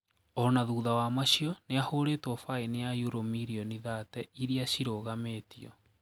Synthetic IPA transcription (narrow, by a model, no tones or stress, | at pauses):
ɔnaðuːðawamaɕiɔneahoːɾeːtwɔfainejajuɾomiɾiɔniðaːtɛiɾiaɕiɾoːɣameːtiɔ̰